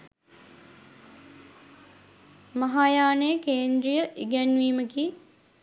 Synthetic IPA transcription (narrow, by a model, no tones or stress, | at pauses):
mɐɦaːjaːnejəkeːnd̪ɾijəʔiɡænʋiːməki